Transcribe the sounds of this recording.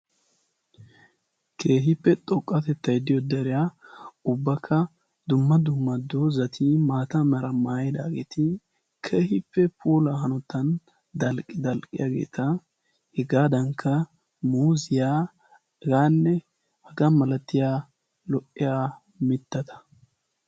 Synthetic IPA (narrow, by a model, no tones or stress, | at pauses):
kʰe̞ːɦɪpːɛt̪ʼɔkʼːɐt̪ɛt̪ːɐjd̪ɪjɔd̪ɛɾɪjaʊbːɐkʰːɐ | d̪ʊmːɐd̪ʊmːɐd̪ozɐt̪ʰimaːt̪ɐmɐɾɐmaːjɛd̪a̰ːɡḛːt̪ɪ | kʰe̞ːhɪpːɛpʰuːlɐɦɐnɔt̪ːɐn | d̪ɐlkʼːɪd̪ɐlkʼːɪjaɡḛːt̪ʰɐ | hɪɡaːd̪ɐŋkʰːɐ | muːzɪjaː | ɡaːnːɛ | hɐɡɐmɐlɐt̪ːɪjaː | lɔʔɪjaː | mɪt̪ːɐt̪ɐ̥